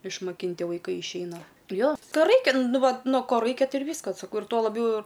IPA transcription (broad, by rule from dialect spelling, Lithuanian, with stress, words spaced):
ɪʃmɐˈkʲɪnʲtʲɪ ʋɐɪˈkɐɪ ɪʃʲˈɛɪnɐ ˈjoː ˈtoː ˈrɐɪkʲɛ ˈnʊ ˈʋɐt ˈnoː ˈkoː ˈrɐɪkʲɛ ˈtɐɪ ɪr ˈʋʲiːskɐs sɐˈkɐʊ ɪr ˈtoː lˠɐˈbʲjɛʊ